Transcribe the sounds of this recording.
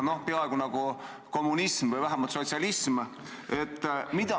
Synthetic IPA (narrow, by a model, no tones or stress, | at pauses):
no̞hpeɑeɡ̥unɑɡ̥u | ko̞mːunismvɯjvæɦemɑlt̪so̞t̪siɑlism | e̞t̪ːmid̪̥ɑ